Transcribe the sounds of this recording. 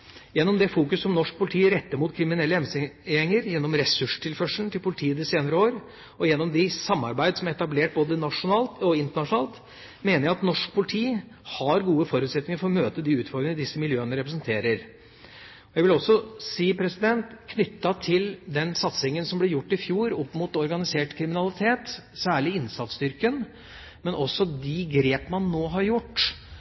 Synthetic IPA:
jɛnːɔmd̪ɛfuːkʉsːɔmnɔʂk̚pʰʊlɪt̪ʰiːɾɛt̪ːəmuːt̪kʰɾɪmɪnɛlːəɛɛŋəɾjɛnːɔmɾɛsʉʂʈʰɪlfœʂn̩t̪ʰɪlpʰʊlɪt̪ʰiːəd̪ɪseːnəɾəoːɾ | ɔjɛnːɔmd̪ɪsɑmːɑ̰ɾbæɪd̪əsɔmæɾɛt̪ɑbleːʈ̚boːd̪ənɑʂʊnɑːlt̪ɔɪnt̪əɳɑʂʊnɑːlt̪ | meːnəɾjæɪɑt̪nɔʂk̚pʰʊlɪt̪ʰiː | hɑɾɡuːəfɔɾʉːt̪sɛt̪nɪŋəɾfɔɾɔmøːt̪əd̪ɪʉːt̪fɔɾɡɪŋːəd̪ɪsːəmɪljøːənəɾɛpɾəsnt̪ʰeːɾəɾ | ɔjæɡʋɪlɔsːɔsiːpʰɾɛsɪd̪ɛnt̪kʰnʏt̪ːɑt̪ʰɪld̪ɛnsɑt̪sɪŋənsɔmblɛɾjʊʈːɪfjuːɾɔpːmʊt̪ɔɾɡɑnɪseːʈkʰɾɪmɪnɑlɪt̪ʰeːt̪sæːɭɪɪnsɑt̪st̪ʏɾkən | mɛnʔɔsːɔd̪ɪɡɾeːpəmɑnːoːɦɑɾjʊʈː

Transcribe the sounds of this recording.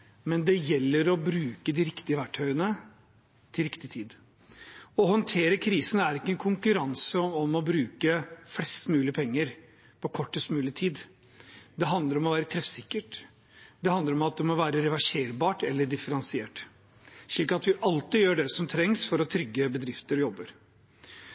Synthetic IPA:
mɛnd̪ɛjɛlːəɾɔbɾʉːkəd̪ɪɾɪkt̪ɪəʋæʈʰːœʏənə | t̪ʰɪlɾɪkt̪ɪt̪ʰiːd̪ | ɔhɔnt̪ʰeːɾəkʰɾiːsənæɾɪkːəɛnkʰʊŋkʉɾɑnsəɔmɔbɾʉːkəflɛst̪mʉːlɪəpʰɛŋːəɾ | pʰɔkʰɔʈːəst̪mʉːlɪt̪ʰiːd̪ | d̪ɛɦɑnd̪əɾɔmɔʋæːɾət̪ʰɾɛfsɪkːəʈ | d̪ɛhɑnd̪əɾɔmɑt̪̚d̪ɛmɔʋæːɾəɾɛʋɑʂeːɾbɑːʈɛlːəɖɪfəɾɑnsɪeːʈ | ʂɭiːkɑt̪ʋɪʔɑlt̪ɪjøːɖɛsɔmt̪ʰɾɛŋsfɔɾɔt̪ʰɾʏɡːəbəd̪ɾɪft̪əɾjɔbːəɾ

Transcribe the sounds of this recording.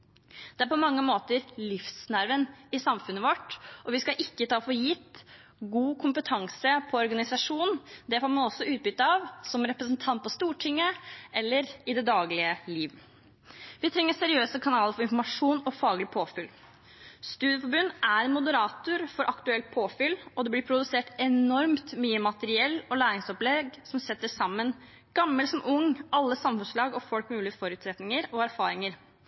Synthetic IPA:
d̪̥ɛæɾpʰɔmɑŋːəmoːt̪əɾlɪfsnæɾʋənɪsɑmfʉnːəʋɔʈɔʋɪskɑʔɪkːət̪ʰɑːfoːjɪt̪ːɡuːkʰʊmpət̪ʰɑŋsəpʰɔɔɾɡɑnɪsɑʂuːnn̩d̪ɛfoːɾmɑnɔsːɔʉːt̪̚bʏt̪ːəɑʋsɔmɾɛpɾəsənt̪ʰɑnt̪̚pʰɔst̪uːʈʰɪŋːəʔɛlːəɾɪd̪ɛd̪ɑːɡlɪəliːʋ | ʋɪt̪ʰɾɛŋːəsɛɾɪøːsəkʰɑnɑːləɾfɔɾɪnfɔɾmɑʂuːnɔfɑːɡlɪpʰoːfɪl | st̪ʉːd̪jəfɔbʉnːæɾɛnmʊd̪əɾɑːt̪ʊɾfɔɾʔɑkt̪ʉɛlt̪̚pʰoːfʏlːɔd̪ɛblɪpʰɾʊd̪ʉseːʈɛnɔɾmt̪myːəmɑt̪əɾɪɛlːɔlæːɾɪŋsɔplɛɡsɔmsɛt̪ːəsɑmːən | ɡ̥ɑmːəlsɔmʔʊŋɑlːəsɑmfʉnslɑːɡɔfɔlkmʉːlɪəfɔɾʉːt̪sɾɛt̪nɪŋəɾɔæɾfɑːɾɪŋəɾ

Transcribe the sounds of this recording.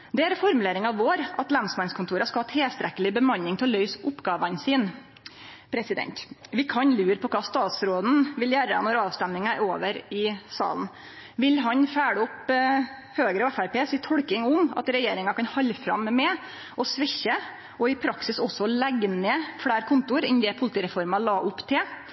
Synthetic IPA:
d̪ɛæɾfɔɾmʉleːɾɪŋɑʋːoːɾʔɑt̪lɑnsmɑnskʰʊnt̪uːɾɑskɑhɑːt̪ʰɪlst̪ɾɛkəlɪbəmɑɲɪŋt̪ʰɪllœʏsʊpːɡɑːʋənsiːn | pʰɾɛsɪd̪ɛ̰nt̪ʋɪkʰɑɲlʉːɾpʰɔkʰɑːst̪ɑːt̪sɾoːd̪n̩ʋɪljæːɾə̰nɔɾɑːʋst̪ɛmːɪŋæɾoːʋəɾɪsɑ̰ːln̩ | ʋɪlɦɑɲfæːɽəʊp | høːɡɾəæfæɾpeːsɪt̪ʰɔɽkɪŋʊmɑ̰t̪ɾɛjeːɾɪŋɑkɑnhɑlːfɾɑ̰mːɛ | ʔɔsʋɪçːə | ʔɔɪpʰɾɑksɪsɔsːɔlæɡneːfɽæːɾkʰʊnt̪ʊɾɪnd̪ɛpʰʊlɪt̪iːɾɛfɔɾmɑlɑːʔʊpːt̪ʰɪ

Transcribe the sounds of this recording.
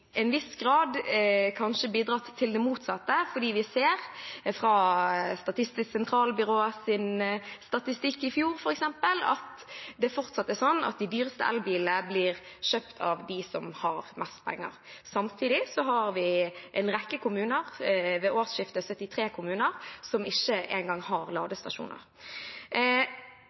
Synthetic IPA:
ʔɛnʋɪsɡɾɑːd̪kʰɑnʃəbiːd̪ʁɑt̪ʰːɪld̪ɛmuːt̪sɑt̪ːəfɔɖiːʋɪseːʁfʁɑst̪ɑt̪ɪst̪ɪsksɛnt̪ʰɾɑːlbʏʁoːəsɪnst̪ɑt̪ɪst̪ɪkːɪfjuːɾfɔɾɛksɛmpəlɑ̰t̪d̪ɛfɔʁt̪sɑt̪ːɛsɔnːʔɑ̰t̪̚d̪ɪd̪yːʁəst̪əʔɛ̰lbiːləbliʁʃøːpt̪ʰɑ̰ʋd̪ɪsɔmhɑʁmɛst̪̚pʰɛ̰ŋːə̰ʁsɑmt̪ʰiːd̪ɪsɔɦɑɾʋɪʔɛ̰nʁɛkːəkʊmʉːnəʁʋɛʔoːʁsʃɪft̪əsœt̪ːɪt̪ʰɾeːkʰʊmʉːnəʁsɔmɪçːəʔḛɪnŋɡɑŋːhɑʁlɑːɡ̪əst̪ɑʃṵːnə̰ʁ

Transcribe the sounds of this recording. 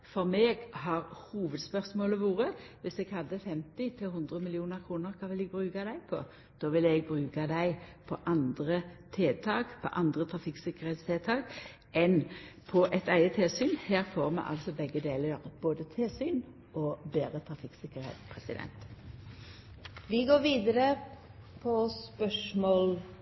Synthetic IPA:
fɔʁmeːɡhɑʁhuːʋəd̪spœʁsmoːləʋuːʁəʋɪsɛɡhɑd̪ːəfɛmt̪ɪt̪ʰɪlhʊnd̪ʁəmɪlɪuːnəʁkʰʁuːnəʁkʰɑːʋɪlɛɡ̚bʁʉːkɑd̪æɪpʰɔ̰ | d̪̥oːʋɪlɛɡ̚bʁʉːɡɑd̪æɪpʰɔʔɑnd̪ʁət̪ʰeːt̪ʰɑːkpʰɔ̰ʔɑnd̪ʁət̪ʰʁɑfɪksɪkəʁheːt̪st̪ʰeːt̪ʰɑːk | ʔɛnpʰɔʔɛt̪æɪət̪ʰeːlsyːnhæːʁfoːʁmɛ̰ʔɑ̰lsɔbɛɡːəd̪eːləɾboːd̪ət̪ʰeːlsyːn | ʔɔbeːɾət̪ʰɾɑfɪksɪkəʁɾhḛːt̪pʰʁɛsɪd̪ɛ̰nt̪ | ʋɪɡoːʋiːd̪əɾə | pʰɔspœʂmoːl

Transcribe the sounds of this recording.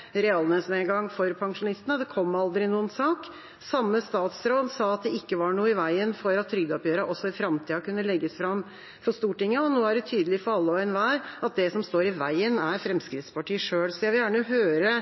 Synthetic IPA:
ɾɛɑlnəsnɛnɡɑŋːfɔɾpʰɑŋʂʊnɪst̪ənəd̪ɛkʰɔmːɑld̪ɾɪnuːənsɑːk | sɑmːəst̪ɑːt̪sɾoːd̪sɑːɑt̪̚d̪ɛɪkːəʋɑɳuːəɪʋæɪənfɔɾɑt̪ʰːɾʏɡd̪ɔpjøːɾɑʔɔsːɔɪfɾɑmt̪ʰiːɑkʉnːəlɛɡːəsfɾɑm | fɔʂt̪uːʈɪŋːəɔnoːæɖɛt̪ʰyːd̪əlɪfɔɾɑlːəɔɛnʋæːɾɑt̪̚d̪ɛsɔmst̪oːɾɪʋæɪənæɾfɾɛmskɾɪt̪spɑʈiːəʂøːlsɔɑʋɪjæːɳəɦøːɾə

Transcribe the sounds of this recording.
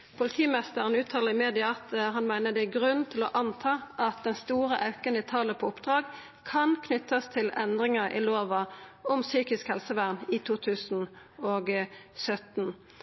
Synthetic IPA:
pʰʊlɪt̪ʰiːmɛst̪əʁənʉːt̪ʰːɑːləʁɪmeːd̪ɪɑɑt̪ɦɑnmæɪnəd̪ɛæɡʁʉnnt̪ʰɪlɔʔɑnt̪ʰɑːʔɑt̪̚d̪ɛnst̪uːʁəʔɑʉkənɪt̪ʰɑːləpʰɔːʊpd̪ʁɑːɡ | kʰɑnkʰnʏt̪ːɑst̪ʰɪlɛnd̪ʁɪŋɑʔɪ̰loːʋɑɔmsyːkɪskhɛlsəʋæʁnɪt̪ʰuːt̪ʰʉːsn̩ | oːɡsœt̪n̩

